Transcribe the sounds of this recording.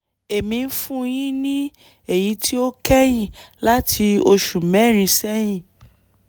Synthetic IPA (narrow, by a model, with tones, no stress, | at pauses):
e˨mĩ˧˦fũ˦jĩ˦nĩ˦ | e˦˨ji˨˧˦tʰi˦o˦kɛ˦jĩ˦˨la˦tʰi˧o˧ʃu˨mɛ̃˨˦˨ɾ̃ĩ˨˧˦sɛ˦j̃ĩ˦˨